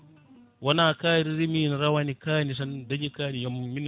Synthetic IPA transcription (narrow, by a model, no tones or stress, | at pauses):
wanakaːɾiɾiminɾawanikaːnis̬andad͡ʒikaɾijommin